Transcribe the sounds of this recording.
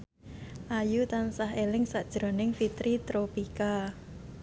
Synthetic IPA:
ʔajut̪ansaɦelɪŋsaʔd̥ʒ̥ɾo̤nɪŋfit̪ɾit̪ɾopika

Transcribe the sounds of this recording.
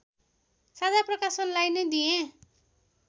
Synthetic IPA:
sadaprʌkasʌnlajnʌjd̪ijẽ

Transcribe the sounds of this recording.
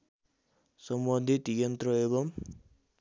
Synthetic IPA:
sʌmbʌnd̪ʱit̪jʌnt̪rʌeβʌm

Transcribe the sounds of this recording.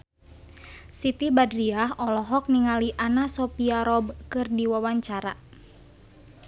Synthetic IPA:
sit̪ibadɾiaɦɔlɔɦɔk̚niŋaliʔanasɔpiaɾɔbkɨrdiwawaɲt͡ʃaɾa̰

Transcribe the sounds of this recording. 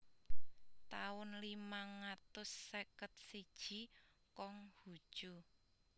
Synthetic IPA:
t̪aʊnlimaŋat̪ʊsːekət̪̚sid̥ʒ̥i̤kɔŋhud̥ʒ̥o

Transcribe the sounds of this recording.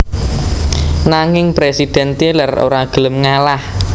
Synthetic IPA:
naŋɪŋpɾesid̪̥ɛ̤nt̪elaro̰ɾaɡ̥ələmŋalah

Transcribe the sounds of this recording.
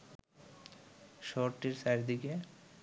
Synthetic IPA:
ʃoɾʈiɾsajɾd̪ike

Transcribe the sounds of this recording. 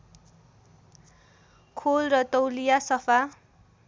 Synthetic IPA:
kʰolrʌt̪owlijasʌpʰa

